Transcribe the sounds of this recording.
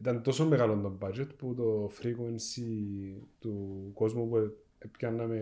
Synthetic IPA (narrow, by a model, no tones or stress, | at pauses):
it̪ɐnt̪o̞somːeɣalond̪ombɐd͡ʒet̪put̪o̞fɾikuensi | t̪uko̞zmupue | epçɐnːɐme